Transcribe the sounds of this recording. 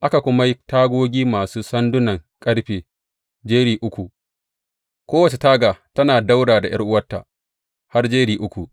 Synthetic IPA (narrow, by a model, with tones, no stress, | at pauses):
ʔa˦ka˨kʷʊ˦ma˦ji˦taː˦ɡʷoː˦ɡʲiː˦maː˨suː˦sɐ˦ndʊ˦nɐ˨ŋkʼɐ˦ɽɸeː˨ | d͡ʒeː˦ɽiː˨ʔʊ˦kʷu˨ | kʷoː˦wɐ˨t͡ʃe˨taː˦ɡaː˨tɐ˦naː˨da˦wɽaː˨da˨j̰ɐ̰˦rʔʊ˦wɐ˦tːa̰˨ | ha˦rd͡ʒeː˦ɽiː˨ʔʊ˦kʷu˨